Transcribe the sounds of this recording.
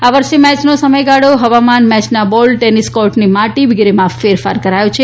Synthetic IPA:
aʋəɾʃemɛt͡ʃnosəməjɡaɽoɦəʋamanmɛt͡ʃnabɔlʈeniskɔɾʈnimaʈiʋiɡɾemãfeɾfaɾkəɾajot͡ʃʰe

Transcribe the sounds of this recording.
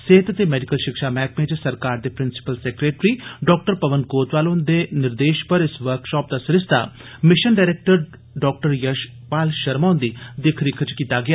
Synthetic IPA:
seːt̪t̪eːmɛːɖɪkəlʃɪkʃaːmɛ̃ːkmẽːt͡ʃsəɾkaːɾd̪eːpɾɪnsɪ̥pəlsɛːkɾeːʈɾiːɖɔːk̚ʈəɾpəʋənkoːt̪ʋaːlõːnd̪eːnɪɾd̪eːʃpəɾɪsʋəɾkʃɔːp̚d̪asɪɾɪst̪a̰ː | mɪʃənɖaːɾeːk̚ʈəɾ | ɖɔːk̚ʈəɾjəʃ | paːlʃəɾmaːnd̪iːd̪ɪkʰɾɪkʰt͡ʃkiːt̪aːɡɪjaː

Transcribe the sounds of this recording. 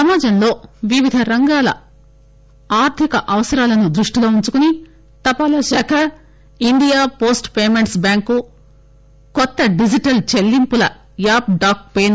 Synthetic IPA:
ɐmaːd͡ʒɐmlo̞ːʋiʋid̪ʱɐɾɐŋɡaːlɐ̰ | aːɾt̪ʰikɐʔɐʋɐsɐɾaːlɐnud̪ɾuʂʈilo̞ːuɲt͡ʃukuni | t̪ɐpaːlɐʃɐːkʰɐ | iɳɖijaːpo̞ːsʈpeːmeɳʈsbjaːŋku | kɔt̪ːɐɖid͡ʒiʈɐlt͡ʃelːimpulɐ̰ | jaːp̚ɖaːk̚peːn

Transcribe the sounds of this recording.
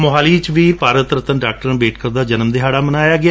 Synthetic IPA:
mʊɦaːliːt͡ʃʋiːpaːɾət̪ɾət̪ənɖaːk̚ʈəɾənbeːʈkəɾd̪aːd͡ʒənəmd̪eːɦaːɽaːmənaːjaːɡɪaː

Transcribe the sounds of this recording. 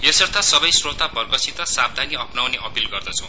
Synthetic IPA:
jesʌrt̪ʰasʌbʌjsrot̪abʌrɡʌsit̪ʌsab̚d̪ʱaniʌpnawneʔʌpilɡʌrd̪ʌt͡sʰʌw̃

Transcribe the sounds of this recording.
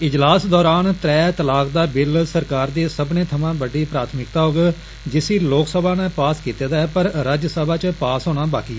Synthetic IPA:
ɪd͡ʒlaːsd̪ɔːɾaːnt̪ɾɛːt̪əlaːkd̪aːbɪlsəɾkaːɾd̪eːsəbnẽːt̪ʰəmãːbəɖiːpɾaːt̪ʰmɪkt̪aːɦoːɡ | d͡ʒɪsiːloːksəbãːnɛ̃ːpaːskiːt̪eːd̪aːɛːpəɾɾaːd͡ʒsɛːbaːt͡ʃpaːsɦoːñaːbaːkiː

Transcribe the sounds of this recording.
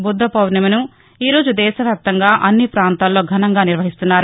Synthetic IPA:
bud̪ːɐpɐwnɐmɐnu | iːɾo̞ːd͡ʒud̪ɛːʃɐʋjaːp̚t̪ɐŋɡaːʔɐnːipɾaːnt̪aːlːo̞ːɡʱɐnɐŋɡaːniɾʋɐɦist̪unːaːɾu

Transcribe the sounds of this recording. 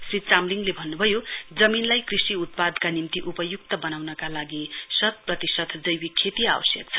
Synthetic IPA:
srit͡samliŋlebʱʌnːubʱʌjod͡zʌminlajkrisiut̪̚pad̪kanimt̪iʔupʌjukt̪ʌbʌnawnʌkalaɡisʌt̪̚prʌt̪isʌt̪d͡zʌjwikʰːet̪ia̰wʌ̰sjʌk̚t͡sʰʌ̥

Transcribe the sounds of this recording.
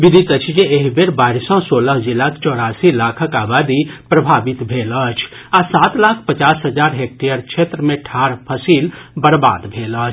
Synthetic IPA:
bid̪ʱit̪ət͡ʃʰd͡ʒeːɦibeɾbaiɾsə̃soləɦd͡ʒilakt͡ʃɔːɾasilakʰəkaːbad̪ipɾəbʱabit̪bʱelət͡ʃʰ | asat̪lakʰpət͡ʃasɦəd͡ʒaɾɦek̚ʈejəɾkt͡ʃʰet̪ɾəmẽʈʰaɾpʰəsilbəɾba̰d̪bʱelət͡ʃʰ

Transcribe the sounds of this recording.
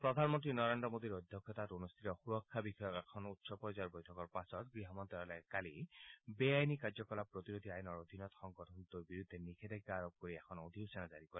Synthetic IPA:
pɹɔd̪ʱanmɔnt̪ɹinɔɹendɹɔmod̪iɹɔd̪ʱjɔkʰːɔt̪at̪unust̪ʰit̪ɔxuɹɔkʰːabixɔjɔkɛkʰɔnut̪sɔpɔɹzaɹbɔjtʰɔkɔɹpasɔt̪ɡɹiɦamɔnt̪ɛɔlɛkalibeajnikaɹzɔkɔlapɹot̪iɹod̪ʱiajɔnɔɹod̪ʱinɔt̪xɔŋɡɔtʰɔnt̪uɹbiɹud̪ʱːɛnikʰed̪ɛɡaːɹob̚koɹiɛkʰɔnod̪ʱiusɛnazaɹikɔɾɛ

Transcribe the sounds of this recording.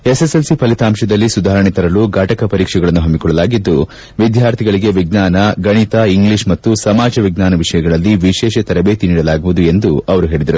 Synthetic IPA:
e̞seselsipɐlit̪aːmʃɐd̪ɐlːisud̪ʱaːɾɐɳit̪ɐɾɐluɡaːʈɐkɐpɐɾiːkʂɛɡɐɭɐnːuɦɐmːikɔɭːɐlaːɡid̪ːu | ʋid̪ʱjaːɾt̪ʰiɡɐɭiɡe̞ʋiɡ̚naːnɐɡɐɳit̪aiŋɡliʂmɐt̪ːusɐmaːd͡ʒɐʋiɡ̚naːnɐʋiʂɐjɐɡɐɭɐlːiʋiʃɛːʃɐt̪ɐɾɐbeːt̪iniːɽɐlaːɡuʋud̪ue̞nd̪uɐʋɐɾuɦe̞ːɭid̪ɐɾu

